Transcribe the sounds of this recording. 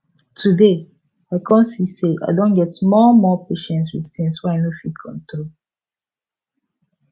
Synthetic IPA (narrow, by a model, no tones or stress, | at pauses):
tʰude | aɪkʰɔ̃nsiseʔa̰ɪdõnɡɛtmɔmɔpeʃɛ̃nswiðθĩŋswɛaɪnofitkʰɔ̰̃ntɾol